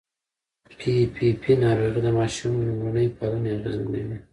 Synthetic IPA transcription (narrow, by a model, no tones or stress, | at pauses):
pʰipʰipʰinɑɾoɣid̪əmɑʃumunəjpaluneaɣəzlewi